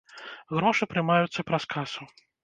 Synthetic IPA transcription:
ɣɾɔʂɨpɾɨmajut̪sːɐpɾɐskʰasu

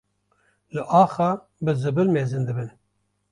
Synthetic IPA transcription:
lɨʔɑːxa | bɨzɨbɨlmeːzɨnd̪ɨbɨn

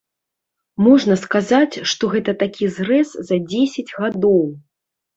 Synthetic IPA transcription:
mɔʐnɐskazat͡sʲʂt̪ɔɣɛt̪ɐt̪akʲʰizrɛszɐd͡zʲesʲɐd͡zʲɣad̪ɔw

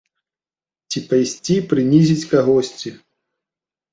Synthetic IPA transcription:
t͡sʲipajsʲt͡sʲipɾɨnʲizʲit͡sʲkaɣɔsʲt͡sʲi

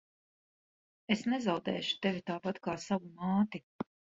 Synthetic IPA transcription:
esnɛzawd̪ɛ̰ːʃu̥t̪evʲit̪aːpat̪kaːsavumaːt̪i

